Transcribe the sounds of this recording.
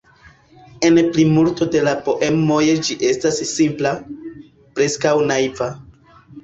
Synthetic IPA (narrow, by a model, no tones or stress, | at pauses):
e̞nplimulto̞de̞lapo̞ʔe̞mo̞jed͡ʒiʔe̞stasːimpla | pɾe̞skawnaiva